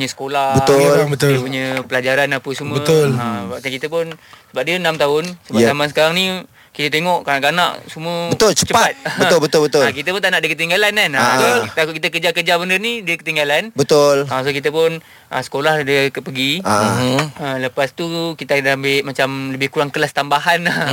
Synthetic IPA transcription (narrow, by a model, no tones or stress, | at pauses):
ɲəsə̥kolabət̪obət̪dəpuɲəpəlad͡ʒaɾanapəsumbəolabadakit̪əpʊnsəbap̚diənamt̪aʊnsəaamansəkaɾaŋni | kit̪ət̪̬eŋɔʔkanaʔkana̰ʔsuməbət̪olt͡ʃət͡ʃəppat̪̚bəʊlbət̪ʊlbət̪ʊakit̪əpunt̪aʔnaʔdəkət̪̬iŋɡalananat̪akkit̪̬əkəd͡ʒakərd͡ʒabəndərnidəkət̪iŋɡalanbət̪ʊlasokit̪̬əpʊn | ʔəsə̥kolahdəkəpəɡiaaləpast̪ukit̪adambɪʔmat͡ʃamləbɪhkuɾaŋkəlast̪ambaɦana